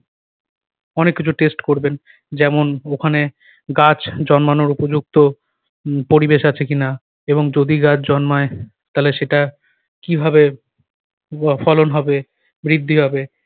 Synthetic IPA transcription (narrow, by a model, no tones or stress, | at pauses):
ɔnekːit͡ɕʰuʈesʈkoɾben | d͡ʑɛmonokʰane | ɡat͡ɕd͡ʑɔnmanoɾupod͡ʑuk̚t̪o | poɾibeʃat͡ɕʰekina | eboŋd͡ʑod̪iɡat͡ɕʰd͡ʑɔnmae | t̪aleʃeʈa | kibʱabe | fɔlonɦɔbe | bɾid̪ʱːiɦɔbe